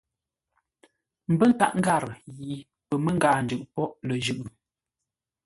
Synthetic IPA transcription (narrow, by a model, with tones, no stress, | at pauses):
m̩˨bə˦ŋ˨ka̰˨ʔŋ̩˦ɡa˦˨ɾɣi˨ | pə˨mə˦ŋ˦ɡaː˨n̩˨d͡ʒʉ˨ʔpɔ˦ʔlə˨d͡ʒʉ˨ʔɯ˨